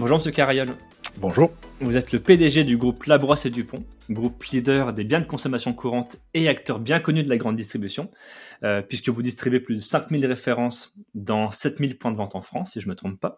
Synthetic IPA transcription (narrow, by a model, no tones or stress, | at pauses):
bɔ̃ʒuʁməsjøkʲaʁajɔl | bɔ̃ʒuːʁvuzɛt̪ləped̪eʒed̪yɡʁuplabʁwased̪ypɔ̃ɡʁuplid̪œʁd̪ebjɛ̃d̪əkɔ̃sɔmasjɔ̃kʰuʁɑ̃t̪eakt̪œʁbjɛ̃kɔnyd̪əlaɡʁɑ̃d̪ːist̪χibysjɔ̃øpɥiskəvud̪ist̪χibeplyd̪əsɛ̃kmilʁefeʁɑ̃sd̪ɑ̃sɛt̪milpwɛ̃d̪əvɑ̃t̪ɑ̃fχɑ̃sːiʒəmət̪χɔ̃ppa